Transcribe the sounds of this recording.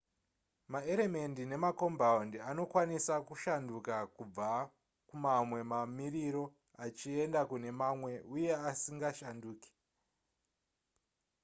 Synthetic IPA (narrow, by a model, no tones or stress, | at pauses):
mae̞ɾe̞me̞ndine̞mako̞mbaundiano̞kwanisakuʃandukakub͡va | kumamwe̞mamiɾiɾo̞ | at͡ʃie̞ndakune̞mamwe̞uje̞asiŋɡaʃanduːki̥